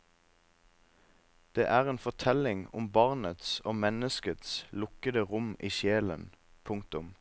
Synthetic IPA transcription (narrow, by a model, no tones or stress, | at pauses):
d̪̥eːʔæːʁeːnfɔʁt̪ʰɛlɪŋʊmbɑʁnət̪soːmɛnəskət̪slʊkəd̪əʁʊmiːʃjeːlə̰n | pʰʊŋt̪ʊm